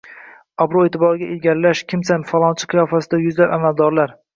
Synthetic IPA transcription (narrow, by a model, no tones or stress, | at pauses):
ɒbɾoet̪ʰɪbɒɾɪɡʲaʔelɡʲaɾlaʃkʲʰɪmsanfalˠɒnt͡ʃʰɪ̥qʰɨjɒfasɪd̪ajʊzlabamald̪ɒɾlaɾ